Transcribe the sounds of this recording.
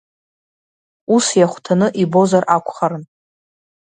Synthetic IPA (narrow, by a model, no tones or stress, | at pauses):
usjaχʷtʰanɨʔibo̞zarakʷʰʼχaɾɨn